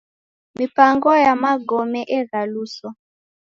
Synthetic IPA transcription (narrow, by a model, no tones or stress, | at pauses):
mipaŋɡɔjamaɡɔmɛʔɛɣalusɔ